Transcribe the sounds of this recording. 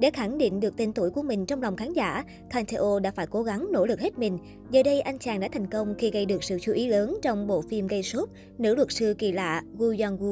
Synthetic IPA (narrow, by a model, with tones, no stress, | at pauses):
ɗḛ˧˩xa˧˩ŋɗḭ˧˨ŋ̟ɗɨ˨˩ək̚t̪i˧˩nt̪u˧˩əjku˧˩əmï˨˩ŋ̟t͡ɕɔ˧wŋ͡mla˨˩wŋ͡mxaː˨˦nzaː˧˩ | t̪ʰaː˧nt̪ʰe˧ʔo˧ɗa̰ː˧˥faː˧˩jko˨˦ɣa˨˦ŋno̰˧˥lɨ˨˩k̚he˦˥t̚mï˨˩ŋ̟ | zəː˨˩ɗə˧jʔa˧jŋ̟t͡ɕaː˨˩ŋɗa̰ː˧˥t̪ʰa˨˩jŋ̟kə˧wŋ͡mxi˧ɣə˧jɗɨ˨˩ək̚sɨ̰˧˨t͡ɕu˨˦ʔi˨˦ləː˨˦nt͡ɕɔ˧wŋ͡mɓo̰˧˨fi˧mɣə˧jso˦˥t̚ | nɨ̰˧˥lwə˨˩t̚sɨ˧kḭ˧˨˩la̰ː˧˨ɣu˧zaː˧nɣu˧